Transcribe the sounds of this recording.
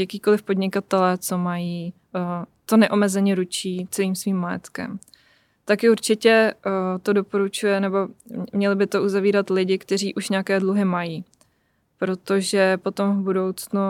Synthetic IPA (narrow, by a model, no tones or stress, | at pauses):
jakiːko̞lɪfpo̞dɲɪkat̪ɛlɛːt͡so̞majiː | t̪o̞nɛʔo̞mɛzɛɲɛɾut͡ʃiːt͡sɛliːmsviːmːajɛt̪kɛ̰m | t̪akɪuɾt͡ʃɪcɛt̪o̞do̞po̞ɾut͡ʃujɛnɛbo̞mɲɛlɪbɪt̪o̞ʔuzaviːɾat̪lɪɟɪkt̪ɛr̝iːʔuʃɲaakɛːdluɦɪmajiː | pɾo̞t̪o̞ʒɛpo̞t̪o̞mvbudo̞wt͡snu